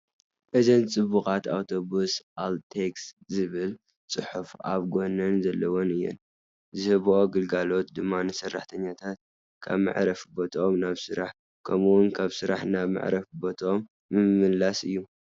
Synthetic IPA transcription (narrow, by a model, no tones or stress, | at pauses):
ʔɨzɐnt͡sʼɨβukʼat̪a̰wt̪ʰo̞βusʔalt̪ʰekszɨβɨl | t͡sʼɨħufʔa̰βɡo̞nɐnzɐlːɐwonɨjːɛ̰n | zɨhɨβʔoɡɨlɡalo̞t̪d̪ɨmːanɨsɐrːa̰ħt̪ʰɐɲːat̪ʰat̪̚ | kʰa̰βma̰ʕɾɐfbot̪ʰomnaβsɨɾaħ | kʰɐmuwʊnkʰaβsɨɾa̰ħnaβma̰ʕɾɐfbo̞t̪ʰomː | ɨmːɨlːasɨjːu